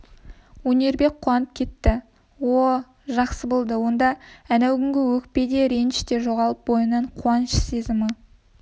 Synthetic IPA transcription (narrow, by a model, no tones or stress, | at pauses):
wɵne̞ɾbe̞k̚qʰːuwɑnəp̚kʲʰe̞t̪ːɪ | wo | ʒɑqsəbolˠd̪əwo̞nd̪ɑænæwɡʲɪŋɡʲɪwɵk̚pe̞d̪e̞ɾenʃt̪e̞ʒo̞ʁɑlˠəp̚bo̞jənɑɴqʰuɑnʃə̥se̞zɪmə